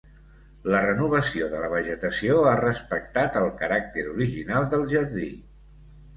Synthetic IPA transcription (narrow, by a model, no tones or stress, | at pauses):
lərənuβ̞əsioðələβ̞əʒət̪əsioarəspək̚t̪at̪əlˠkəɾak̚t̪eɾuɾiʒinalˠd̪əlˠʒəɾði